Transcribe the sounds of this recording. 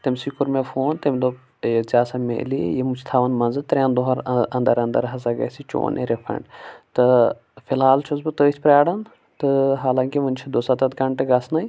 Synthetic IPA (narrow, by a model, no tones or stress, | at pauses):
t̪ɐmʲsikuɾmefoːnt̪ɐmʲd̪o | zʲaːsɐmḛːlḭjemut͡ʃʰt̪ʰaːʋɐnmɐnzɨt̪ɾʲãːnd̪oɦɐɾɐnd̪ɐɾɐnd̪ɐ̰ɾɦɐzɐɡɐ̰sit͡ʃo̰ːnḛɾefʰɾɐ̰ɳɖt̪ɨ | filɦaːlt͡ʃʰuzbɨt̪əːt͡ʃʰʲpɾʲaːɽɐn | t̪ɨɦaːlaːŋkiʋɐnt͡ʃʰid̪oːsɐt̪ɐt̪kɐɳʈeɡɐsnɐj